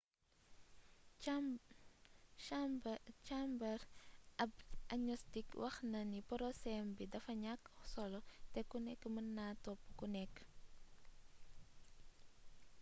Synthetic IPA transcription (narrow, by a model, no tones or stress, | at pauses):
t͡ʃambɐɾɐbanɲɔstikwʔɐxnɐnipɔɾɔsɛmbidɐfɐɲakːɔsɔlɔtɛkunɛkːmənːatɔpːukunɛkː